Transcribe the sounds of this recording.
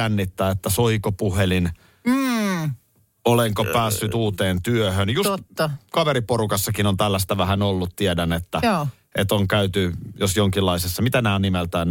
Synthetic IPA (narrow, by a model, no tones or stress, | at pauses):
ænːit̪ːæːet̪ːæsoikopuhelin̩ | oleŋkopæːsːyt̪uːt̪eːnt̪yøhønjusst̪ːɑkɑʋeɾiporukɑsːɑkinont̪ælːæst̪æʋæhænolːut̪t̪iedænet̪ːæː | et̪oŋkæyt̪yjosjoŋkilːɑisesːɑmit̪ænæːnimelt̪æːn